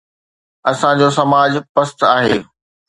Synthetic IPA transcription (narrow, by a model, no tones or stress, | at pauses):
ɐsãd͡ʑoːsɐmaːd͡ʑpɐst̪aːɦḛː